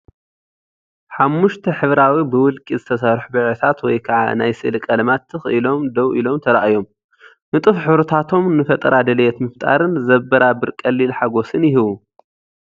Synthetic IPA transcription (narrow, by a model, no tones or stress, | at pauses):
ħamːuʃt̪ʰɐħɨβɾawibɨwʊlkʼizɨt̪ʰɐsaɾħubɨʕɨt̪ʰat̪wɔjkʰɐʕa̰najsɨ̰lkʼɐlɐmat̪ʰːɨxɨʔɨlo̞md̪ɐwʔilo̞mt̪ʰɐɾaʔajo̞m | nɨt̪ʼɨfħɨβɾɐt̪ʰat̪ʰo̞mnɨfɐt̪ʼɐɾad̪ɐljɛt̪mɨft̪ʼa̰ɾɨnzɐbɐɾabɨɾkʼɐlːilħaɡo̞sɨnjɪɦɨβu